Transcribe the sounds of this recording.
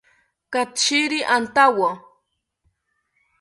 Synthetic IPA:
kat̪t͡ʃiɾiʔant̪awa

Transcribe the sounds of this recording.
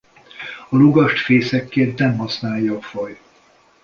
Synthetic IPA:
ɒluɡɒʃt̪feːsɛkːeːnt̪nɛmɦɒsnaːjːɒːfɒj

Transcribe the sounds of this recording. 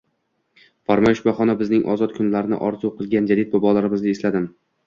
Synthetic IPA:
faɾmɒjʃbɒχɒnabɪznɪŋʔɒ̰zɒt̪kʰʊnlaɾɪnɪ̰ʔɒɾzuwqʰɨlˠɡʲand͡ʒad̪it̪̚bɒbɒlaɾɪmɪzɪeslad̪ɪm

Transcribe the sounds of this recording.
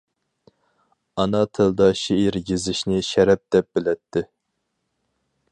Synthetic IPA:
ɑnɑt̪ʰɨld̪ɑʃiiɾɡʲizɪʃnɪʃɛɾɛp̚d̪ɛp̚b̥ɪlɛt̪ʰːɪ

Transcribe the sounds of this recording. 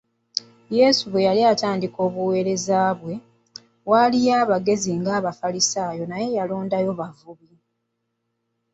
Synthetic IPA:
je̞ːsuβwe̞jaliataːndiko̞ːβuwe̞ːɾe̞zaːβwe̞ | walijaːβaɡe̞ziŋɡaːβafalisaːjo̞naje̞jaloːndajo̞βavuβi

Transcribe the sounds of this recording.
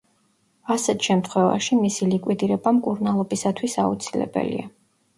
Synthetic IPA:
asɛt̪ʰʃɛmt̪ʰχwɛva̰ʃimisilikʼwid̪iɾɛbamkʼuɾnalˠɔbisat̪ʰwisaut̪sʰilɛ̰bɛ̰lḭa

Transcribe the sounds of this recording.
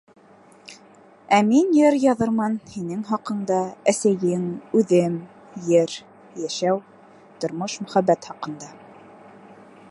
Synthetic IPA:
æminjɘɾjɑðɤɾmɑnhinɘŋɦɑqɤ̆ɴd̪ɑæsæjɘŋʉðɘm | jɘɾ | jæʃæw | t̪ŏɾmoʃmɵ̆χæbːæt̪χɑqɤ̆nd̪ɑ

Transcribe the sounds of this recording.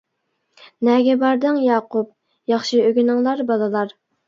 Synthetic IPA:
nɛɡʲɛbɑɾd̪ɨŋjɑːqup̚ | jɑχʃɨøɡʲynɪŋlˠɑɾbɑlˠɨlˠɑɾ

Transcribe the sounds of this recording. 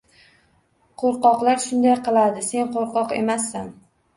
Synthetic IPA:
qʰoɾqɒqlˠaɾʃʊnd̪ajqɨlˠad̪ɪse̞nqoɾqɒqe̞̰masːan

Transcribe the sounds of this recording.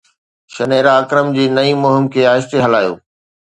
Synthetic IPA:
ʃɐneːɾaːkɾəmd͡ʑeːnɐimʊɦɪmkʰeːaːɦɪst̪eɦɐlaːjo̰ː

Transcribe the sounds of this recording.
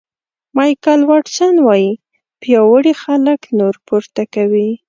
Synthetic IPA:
mɑjkalwɑʈsanwɑji | pjɑwəɽixaləknoɾpʊɾt̪akawi

